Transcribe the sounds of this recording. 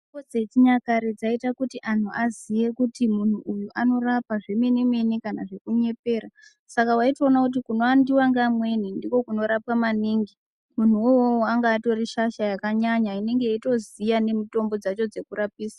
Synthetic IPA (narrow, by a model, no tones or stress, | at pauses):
ikod͡zet͡ʃiɲakaɾed͡zaitakutiʔan̤uʔazije̞kutimun̤uʔujuʔano̞rapaʐe̞menimwenikanaʐe̞kuɲe̞pe̞ːra | sakawaitoːnakut̬ikuno̞andiwaŋɡamwe̞nindiko̞kuno̞ɾapwamaniːŋɡi | mun̤uowoaŋɡaːto̞riʃaʃajakaɲaɲaine̞ŋɡejito̞zijane̞mito̞mbo̞d͡zat͡ʃo̞d͡ze̞kuɾapiːsa